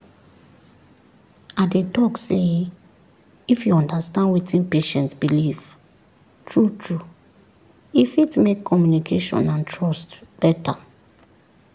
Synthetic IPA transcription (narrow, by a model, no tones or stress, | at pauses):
adetɔkse | ifjuɔ̃ndastãndwitʰĩnpeʃɛ̃ntsbiliv | tʰɹutʰɹu | ifitmekʰːɔmjunikʰeʃɔ̰̃nãntʰɹɔstb̥ɛtʰa̰